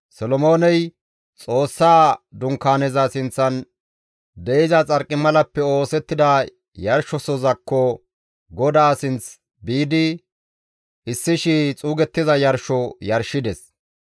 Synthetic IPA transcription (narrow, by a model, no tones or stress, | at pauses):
sɔlɔmoːnɛj | t͡sʼo̞ːsːaːd̪ʊŋkːaːnɛzɐsɪnt͡sːɐn | d̪ɛɪzɐt͡sʼɐɾkʼːɪmɐlɐpːɛo̞ːsɛt̪ːɪd̪ɐ | jɐɾʃɔsɔzɐkːɔ | ɡɔd̪aːsɪnt͡s | biːd̪ɪ | ʔɪsːɪʃɪt͡sʼuːɡɛt̪ːɪzɐjɐɾʃɔjɐɾʃɪd̪ɛs